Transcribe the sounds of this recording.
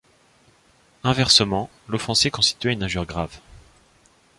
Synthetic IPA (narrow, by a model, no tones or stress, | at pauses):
ɛ̃vɛʁsəmɑ̃ | lɔfɑ̃sekɔ̃st̪i̥t̪ɥɛynaʒyʁɡʁav